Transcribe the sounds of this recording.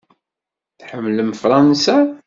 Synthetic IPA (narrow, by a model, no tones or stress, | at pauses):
θħəmːləmfɾˤɑnsa